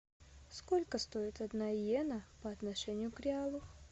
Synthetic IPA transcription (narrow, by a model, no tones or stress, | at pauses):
skolʲkəst̪oɪt̪ɐd̪najenəpɐɐt̪nɐʂɛnʲɪjʊkɾʲɪalˠʊ